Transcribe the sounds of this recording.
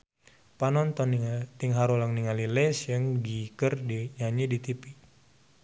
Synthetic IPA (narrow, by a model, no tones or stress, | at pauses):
panɔnt̪ɔnt̪iŋɦaɾulaŋniŋalilɛsjəŋɡikərdiɲaɲidit̪ipi